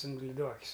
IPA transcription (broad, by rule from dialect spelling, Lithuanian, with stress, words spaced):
ɪn lʲɪˈduɔkʲʊs